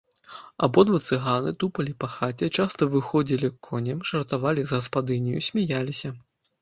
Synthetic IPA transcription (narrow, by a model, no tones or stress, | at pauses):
a̰bɔd̪vɐt̪sɨɣanɨt̪upɐlʲipɐxat͡sʲɛt͡ʂast̪ɐvɨxɔd͡zʲilʲikʰːɔnʲɛmʂɐrt̪avalʲizɣɐspad̪ɨnʲijusʲmʲajalʲisʲɐ